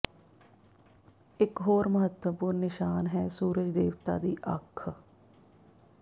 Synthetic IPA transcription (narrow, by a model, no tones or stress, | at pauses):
ɪkɦoːɾməɦət̪wəpuːɾnnɪʃaːnɦɛːsuːɾəd͡ʒd̪eːʋt̪a̰ːd̪iːʔəkʰː